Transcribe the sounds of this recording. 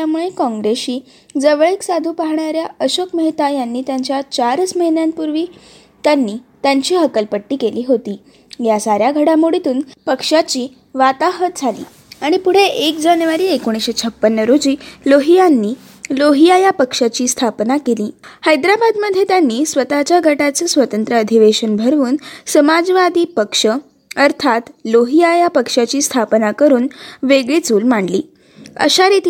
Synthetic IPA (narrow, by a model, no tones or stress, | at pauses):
jamuɭekɔ̃ŋɡɾesiː | d͡zəʋəɭeksad̪ʱuːpaɦɳaɾjaəɕokməɦit̪ajanːiːt̪jaɲt͡ɕjat͡ɕaɾəsməɦinjãnpuɾʋiː | t̪janːiːt̪jaɲt͡ɕiːɦəkəlpəʈːiːkeliːɦot̪iː | jasaɾjaɡʱəɽamuɽit̪uːnpəkʂat͡ɕiː | ʋat̪aɦət̪d͡zʱalḭː | aɽ̃ipuɽ̤eʔekd͡ʑanjʋaɾiːekoɽ̃iɕet͡sʰəpːənːəɾod͡ʑiːloɦijanːiː | loɦijajapəkʂat͡ɕiːst̪ʰapnakeliːhajd̪ɾabad̪məd̪ʱːjet̪janːiːsʋət̪at͡ɕjaɡʱəʈat͡səːsʋət̪ənt̪ɾəːd̪ʱiʋeɕənbʱəɾʋuːnsəmad͡zʋad̪iːpəkʂə | əɾt̪ʰat̪loɦijajapəkʂat͡ɕiːst̪ʰapnakəɾuːnʋeɡɭit͡suːlmaɳɖliː | ə̰ɕaɾit̪i